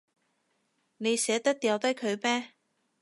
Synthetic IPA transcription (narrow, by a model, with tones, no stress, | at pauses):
ne˨˧jsɛː˨˥t̪ɐ˥k̚t̪ɛː˨˧wt̪ɐ˥jkʰɵ˨˧ɥmɛː˥